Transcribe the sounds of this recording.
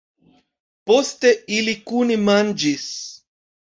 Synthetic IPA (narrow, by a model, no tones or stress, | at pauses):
post̪eilikunimand͡ʒis